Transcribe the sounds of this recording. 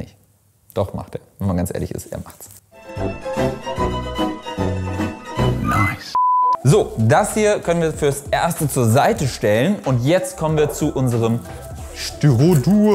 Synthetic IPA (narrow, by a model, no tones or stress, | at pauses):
nɪç | d̥ɔχma̰χteːɐvɛnmanɡant͡sʔḛːɐlɪçɪ̰stʔḛːɐmaχts | ʔoʊnaɪszoːdashiːɐkʰœnənviːɐfyːɐsʔeɐstət͡suːɐzaɪtəʃtɛlənʔʊntjɛt͡stkʰɔmənviːɐt͡suʔʊnzəʁəm | ʃtyʁoduː